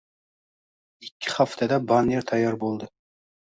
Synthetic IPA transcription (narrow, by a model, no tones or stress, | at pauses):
ɪkʲːɪ̥χaft̪ʰad̪abaneɾt̪ʰajːɑɾbolˠd̪ɪ